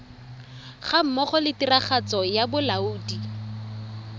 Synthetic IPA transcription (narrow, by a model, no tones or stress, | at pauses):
χam̩mɔχɔlɪtiraχat͡sɔjabʊlauːdi